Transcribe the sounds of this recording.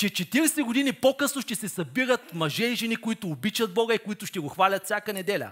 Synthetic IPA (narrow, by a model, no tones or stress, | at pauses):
t͡ʃɛt͡ʃɛt̪iɾɛsɛɡʊd̪inipokɤsnoʃt̪ɛsɛsɐbiɾət̪mɐʒɛiʒɛnikʊit̪ʊːbit͡ʃɐd̪̚bɔɡɐikoit̪ʊʃt̪ɛɡoxvalʲɐt̪fsʲjakənɛd̪ɛlʲɐ̰